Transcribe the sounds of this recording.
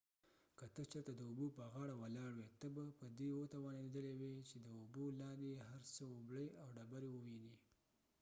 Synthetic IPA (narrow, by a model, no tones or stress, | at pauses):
kət̪ət͡ʃəɾt̪ad̪əubopəɣɑɽawalɑɽwet̪əbapəd̪ewot̪awɑned̪əlewet͡ʃed̪əubolɑnd̪ejeɦaɾsəobɽəjawɖabaɾewəwini